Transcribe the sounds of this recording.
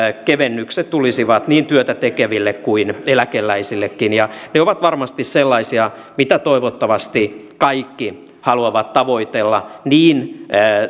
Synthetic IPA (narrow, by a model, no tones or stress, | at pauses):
keʋenːykset̪t̪ulisiʋɑt̪niːnt̪yøt̪æt̪ekeʋilːekkuinelækelːæisilːekːinjɑneoʋɑt̪ʋɑrmɑst̪isselːɑisiɑ | mit̪æt̪oiʋot̪ːɑʋɑst̪i | kɑikːi | hɑluɑʋɑt̪tɑʋoit̪elːɑniːn